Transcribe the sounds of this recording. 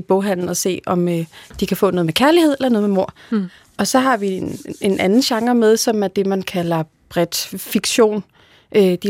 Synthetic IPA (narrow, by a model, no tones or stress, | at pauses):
b̥ɔ̽ʊɦæn̰n̩ɒ̽se̝̰ːɒ̽mød̥ikʰæfɔ̰ːnɔ̽ð̩ˠmekʰæɐlihe̝ð̞̰ˠelɐnɔð̩ˠmemo̝ɐ̰ | ʔɒ̽sɒ̽ɦɑ̈ʋine̝nʔænn̩ɕɑ̈ŋɐmeð̞ˠsɒ̽mæɐd̥e̝mænkʰælɐ | b̥ʁɛd̥fiɡ̥ɕo̝̰ːn | ʔød̥i